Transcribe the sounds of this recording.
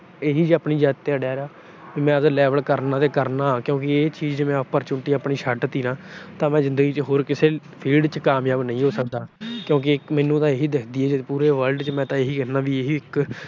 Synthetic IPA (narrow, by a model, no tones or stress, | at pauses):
eːɦiːd͡ʒəːpniːd͡ʒɛːt̪ːeaːɖjaːɾeaː | ʋiːmɛ̃ːəd̪lɛːʋəlkəɾnãːt̪eːkəɾnãːkjõːkɪeːt͡ʃiːd͡ʒd͡ʒeːmɛ̃ːpəɾt͡ʃʊɳʈiːəːpɳiːʃʰəʈt̪iːnãːt̪ãːmɛ̃ːzɪ̃nd̪əɡiːt͡ʃɦoːɾkɪseː | pʰiːlɖt͡ʃkaːmjaːbnəĩːɦoːsək̚d̪aːkjõːk̬ɪɪkmɛːnũːt̪ãːeːɦiːd̪ekʰd̪iːɛːd͡ʒepuːɾeːʋəlɖt͡ʃəmɛ̃ːt̪ãːeːɦiːkɛːnãːʋiːeɦiːɪk